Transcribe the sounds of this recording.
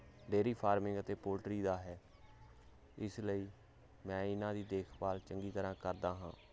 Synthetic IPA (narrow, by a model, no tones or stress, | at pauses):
ɖeːɾiːpʰaːɾmɪ̃ŋɡət̪eːpoːlʈɾiːd̪aːɦɛː | ɪsləiː | mɛ̃ːɪnãːd̪iːd̪eːkʰpaːlt͡ʃəŋɡiːt̪əɾãːkəɾd̪aːɦãː